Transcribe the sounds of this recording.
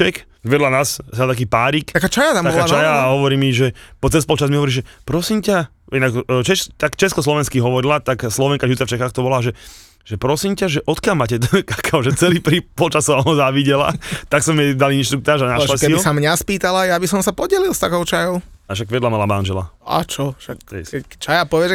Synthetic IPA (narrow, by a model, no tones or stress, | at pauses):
ɛk | ʋjɛd̪lanaːssɛlt̪ak̬iːpaːɾik̪akaːt͡ʃajat̪amt̪aaɔaːat͡ʃajaːɦɔʋɔɾiːmiʒɛpɔt͡sɛspɔlt͡ʃazmiɦɔʋɔɾiʒɛpɾɔsimca | inakt͡ʃɛt̪akt͡ʃɛskɔslɔʋɛnskiɦɔʋɔɾilat̪akslɔʋɛŋkaʒut͡saft͡ʃɛxaxt̪ɔbɔlaʒɛ | ʒ̥ɛpɾɔsiːmcaʒɛʔɔt̪kɪalmaːcɛkakʰaɔʒɛt͡sɛliːpɾipɔlt͡ʃasɔɔɔzaʋiɟɛla̰t̪aksɔmɛd̪aliinʃt̪ɾuk̚t̪aːʒanaʃlasiɔsamɲaspiːt̪alajabisɔmsapɔɟɛlilˠst̪akɔʊt͡ʃajɔʊaʃaɡʋɪɛd̪lamalamanʒɛla̰a̰t͡ʃɔʃak̪ɛsɛt͡ʃajapɔʋɛd͡ʒ